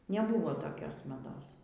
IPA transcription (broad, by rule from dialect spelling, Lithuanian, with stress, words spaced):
nʲɛˈbuːʋoː toːˈkʲoːs mɐˈdoːs